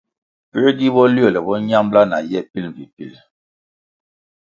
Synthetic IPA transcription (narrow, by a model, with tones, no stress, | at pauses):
pi˦ɾdi˦bɔ˦li˦ɔ˦˨lɛ˨bɔ˦ɲa˦mbla˦na̰˨jɛ˦˨pi˦lɱ˨vi˨pi˦˨l